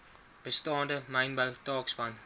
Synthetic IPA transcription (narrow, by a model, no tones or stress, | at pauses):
b̥əstɑːndəməjnbəltɑːksbɐn